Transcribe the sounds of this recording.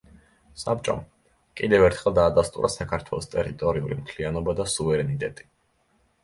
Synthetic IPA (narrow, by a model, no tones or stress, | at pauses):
sap̚t͡ʃʼɔ̰m | kʼid̪ɛvɛɾt̪ʰχɛlˠd̪aːd̪ast̪ʼṵɾʔasakʰaɾt̪ʰwɛ̰lˠɔst̪ʼɛɾit̪ʼɔɾiulḭmt̪ʰlianɔbad̪asuvɛɾɛnit̪ʼɛt̪ʼi̥